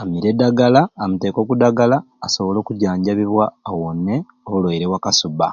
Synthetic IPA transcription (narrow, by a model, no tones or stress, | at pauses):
amiɾedaɡalaːmuteko̞kudaɡalaːso̞βo̞lo̞ːkuɟaːɲɟaβiβwaːwonːe | olwoiɾewakasuba̰